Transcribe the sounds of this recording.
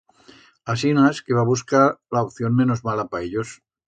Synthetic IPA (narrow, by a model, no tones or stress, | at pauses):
as̬inaskeβaβuskalaop̚θjonmenozmalapaeʎos